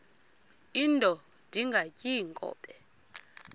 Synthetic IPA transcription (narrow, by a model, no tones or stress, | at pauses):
intʼɔ | d̥ʱiŋɡʱacʼiŋkʼɔ̰ːɓʼɛ